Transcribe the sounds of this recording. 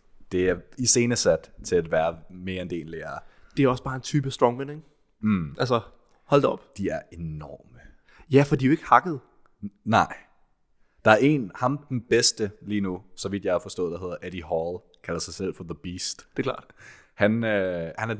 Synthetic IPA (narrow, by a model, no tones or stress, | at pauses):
d̥e̝æɐise̝ːnəsæd̥t͡sʰe̝læd̥ʋæːɐme̝ːɐend̥e̝̰ːnleːɐːd̥e̝æɒ̽sb̥ɑ̈ːe̝nt͡sʰyːb̥əsd̥ʁɒ̽ŋmæneɡ̩ | ʔælsɐ | hɒl̰d̥ɒ̽b̥d̥iæɐe̝nɒ̰ːmə | jæfɒd̥ioe̝ɡ̥əhɑ̈ɡ̥əð̞̩ˠ | nɑ̈ɪ̰ | d̥ɑ̈æɐe̝̰nhɑ̈md̥enb̥esd̥əliːnusɒ̽ʋid̥jɑhɑfɒ̽sd̥ɔ̰̽ːð̩̥ˠɑɦe̝ðˠɐʔæd̥iɦɒl | kʰælɐsɑ̈ɪsel̰fɒðəb̥iːsd̥d̥e̥kʰlɑ̰̈ːd̥hænøhænæɐ